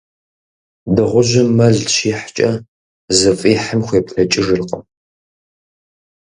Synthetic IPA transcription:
dɨʁʷʊʒɪmːɐɮʃiːħt͡ʃʼɐ | zɨfʼiːħəmxʷeːpɬɐt͡ʃʼɪʐɨɮqʼə

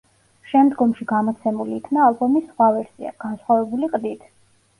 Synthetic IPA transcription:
ʃɛmd̪ɡɔmʃiɡamɔt̪sʰɛmuliːkʰnaːlbɔmisːχwavɛɾsḭa̰ɡ̥ansχwavɛbuliqʼd̪it̪ʰ

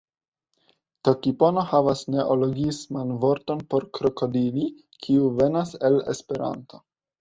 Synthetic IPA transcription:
to̞kipo̞no̞havasne̞ʔolo̞ɡismanvo̞ɾto̞npo̞ɾkɾo̞ko̞dili | kʰiuve̞nasele̞̰spe̞ɾa̰nto̞̥

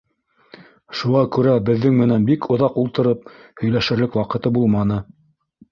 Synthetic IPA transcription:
ʃuʁɑkʉɾæbɘ̆ðːɘŋmɘ̆nænbikʰŏðɑqulˠt̪ɤ̆ɾɤp̚hɵ̆jlæʃɘ̆ɾlɘkwɑqɤ̆t̪ɤbulˠmɑnɤ

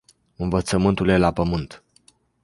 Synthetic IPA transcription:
ɨnvət̪səmɨnt̪ulje̞lapəmɨnt̪

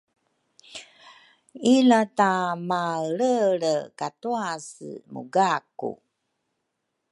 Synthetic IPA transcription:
ilatamaɾəɭəkatuasə̰mʔṵɡakṵ

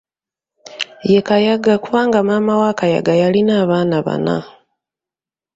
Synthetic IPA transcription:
jekajaɡakuβaːŋɡamaːmawaːkaja̰ɡajalinaːβaːnaβa̰na̰

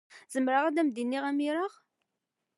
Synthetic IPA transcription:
zəmɾaʁæd̪æmd̪inːiʁæmiɾəʁ

